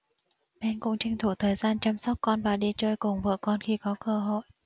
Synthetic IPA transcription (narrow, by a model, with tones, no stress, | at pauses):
ɓɛ˧˦nkʊ̰˧˥ŋ͡mt͡ɕï˧ŋ̟t̪ʰu˧˩t̪ʰəː˨˩jzaː˧nt͡ɕaː˧msɔ˦˥wk͡p̚kɔ˧nvaː˨˩ɗi˧t͡ɕəː˧jkʊ˨˩ŋ͡mvɨ̰ː˧˨kɔ˧nxi˧kɔ˨˦kəː˧ɦo̰˧˨j